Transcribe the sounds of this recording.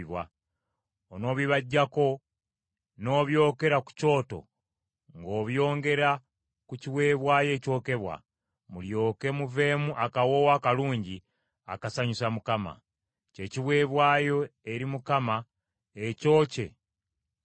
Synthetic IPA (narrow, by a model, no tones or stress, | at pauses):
βwa | ono̞ːβiβaɟːako̞ | no̞ːβjo̞ːke̞ɾaku̥co̞ːto̞̰ | ŋɡo̞ːβjo̞ːŋɡe̞ɾa | kuciβwe̞ːβwaːje̞ːco̞ːke̞βwa̰ | muljo̞ːke̞muve̞ːmuʔakawo̞wakaluːɲɟi | a̰kasaɲusamukama̰ | ce̞ciβwe̞ːβwaːjo̞e̞ɾimukama | eco̞ːce̞̰